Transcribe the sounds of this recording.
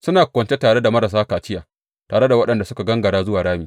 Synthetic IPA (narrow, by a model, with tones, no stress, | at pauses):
sʊ˦naː˨kʷɐ˨nt͡ʃe˦taː˨ɽe˦da˨mɐ˦ɾa˨s̬aː˦kaː˨t͡ʃɪ˦jaː˨ | taː˨ɽe˦da˨wɐ˦ɗɐ˨nda˨sʊ˦ka˨ɡɐ˦ŋɡɐ˨ɽaː˦zʊ˦waː˨ɽaː˦miː˨